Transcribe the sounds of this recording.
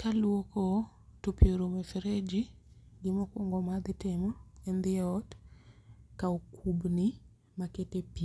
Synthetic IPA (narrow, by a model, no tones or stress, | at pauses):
kalwokɔ | topjoɾomɛfeɾed͡ʒi | ɡɪmɔkwoŋɡɔmad̪ɪtɪmɔɛnd̪ɪɛɔt | kaokʰubni | maketepi